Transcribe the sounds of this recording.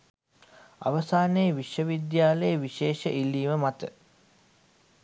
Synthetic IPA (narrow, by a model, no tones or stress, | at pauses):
a̰ʋəsaːnejʋiʃʋəʋid̪jaːləjəʋiʃeːʃəʔilːiːʋəmat̪ə